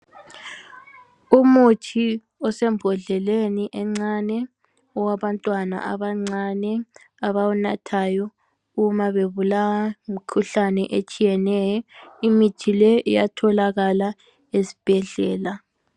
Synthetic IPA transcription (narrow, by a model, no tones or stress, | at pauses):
umutʰi | ɔsɛmbʱɔɮɛleniʔɛŋ͡ǀanɛ | ɔwaβantʼwana̰ʔaβaŋ͡ǀanɛ | aβawunatʰajɔ | umaβeβulawamikʰuɬanɛ̰ʔet͡ʃʼijɛnɛjɔimitʰilɛɛja̰tʰɔlaɣala | esi̥b̥ʱɛɮɛːla